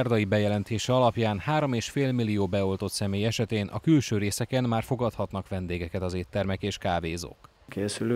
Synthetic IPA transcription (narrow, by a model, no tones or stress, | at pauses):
rd̪ɒjibɛjɛlɛnt̪eːʃɛɒlɒpjaːnhaːɾo̞meːʃfeːlmilːijoːbɛo̞lt̪o̞t̪sɛmeːjɛʃɛt̪eːnʔɒ̰kylʃøːɾeːsɛkɛnmaːrfo̞ɡɒt̪hɒt̪nɒkʋɛnd̪eːɡɛkɛt̪ɒzeːt̪ːɛrmɛkeːʃkaːveːzo̰ːk | kʰeːsyl